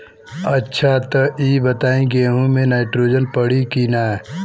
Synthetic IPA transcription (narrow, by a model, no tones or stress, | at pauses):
ɐtːʃʰat̪əʔiːbət̪aːĩɡeɦũmẽnaːɪʈɾoːd͡ʒənpəɽ̤ikinaɦɛː